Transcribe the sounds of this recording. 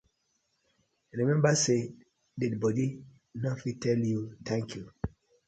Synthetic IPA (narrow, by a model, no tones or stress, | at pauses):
ɹimɛ̃mbase | didbɔdi | nɔfitʰɛljut̪ʰɛ̃ŋkʰju